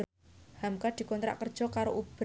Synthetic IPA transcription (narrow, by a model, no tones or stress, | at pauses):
hamkad̪̥i̤kɔnt̪ɾa̰kərd̥ʒ̥ɔ̤kaɾoʔub̥